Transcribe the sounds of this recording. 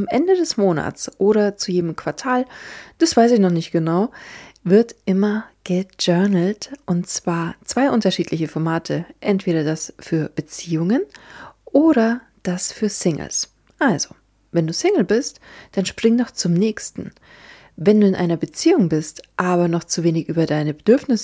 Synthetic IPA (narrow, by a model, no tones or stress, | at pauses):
ʊmʔɛ̰ndədɛsmoːna̰t͡sʔoːɾɐt͡sujeːdəmkv̥aɐtʰaːld̥asv̥aɪsɪçnɔχnɪçtɡ̥ənaʊvɪɐtʔɪmɐɡ̥əd͡ʒœɐnl̩tʔʊntt͡sv̥aːɐt͡sv̥aɪʔʊntɐʃiːtʰlɪçəfɔɐmaːtʰəʔɛntv̥eːɾɐdasfyːɐb̥ət͡siːʊŋənʔoːɾɐ | d̥asfyːɐsɪŋl̩̰s | ʔalzo | vɛnduːsɪŋl̩bɪstd̥anʃpʁ̥ɪŋdɔχt͡sʊmnɛːçstn̩ | vɛnduːɪnʔa̰ɪnɐbət͡siːʊŋbɪstʔaːbɐnɔχt͡suveːnɪçʔyːbɐdaɪnəbəd̥ʏɐfnɪs